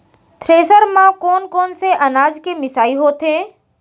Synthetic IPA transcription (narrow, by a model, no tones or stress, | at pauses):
t̪ʰɾeːsəɾmãkɔːnkɔːnseʔɐnaːd͡ʒkemɪsaːiɦoːt̪ɦẽː